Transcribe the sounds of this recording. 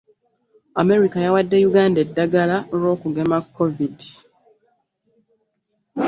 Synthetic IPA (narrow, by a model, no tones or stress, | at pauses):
ame̞ɾikajawadːe̞juɡaːndedːaɡalaoɾo̞ːkuɡe̞makːovidi